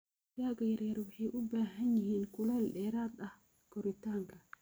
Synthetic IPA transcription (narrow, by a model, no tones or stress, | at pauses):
jaːɣɐjɐrjɐrwɑħɑjʔʊbaːɦɐnjɪɦiːnkʰʊlɐlɖɛːɾaːd̪ɐh | ɡʰɔɾɪt̪ʰaːŋkʰɐ